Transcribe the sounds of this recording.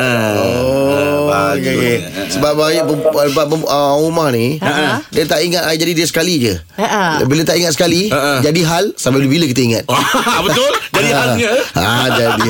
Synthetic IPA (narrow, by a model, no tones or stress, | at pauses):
o | a | səbap̚baajaʔpəbapəəumahnĩədiət̪aʔiŋat̪aid͡ʒadidəsə̥kalid͡ʒə | bilət̪aʔiŋat̪̚sə̥kaliəʔd͡ʒadiɦalsampaləbiləkit̪̬əiŋat̪̚bət̪ʊld͡ʒaiad͡ʒadi